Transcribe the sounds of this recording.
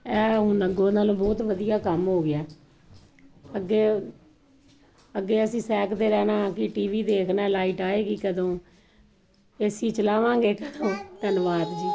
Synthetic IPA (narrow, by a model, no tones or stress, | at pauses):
ɛːɦʊnəɡoːnaːlõːbɔːt̪ʋəd̪ijaːkəmɦoːɡɪaː | əɡːeː | əɡːeːəsĩːsɛːkd̪eːɾɛːnaːkɪʈiːʋiːd̪eːkʰnaɛːlaːiʈaːeːkikəd̪õː | esiːt͡ʃəlaːʋãːŋɡeːkəd̪õːt̪ənʋaːd̪d͡ʒiː